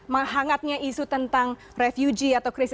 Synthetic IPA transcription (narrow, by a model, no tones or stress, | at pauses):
maɦaŋat̪̚ɲaisut̪ənt̪aŋ | refjud͡ʒiat̪awkɾis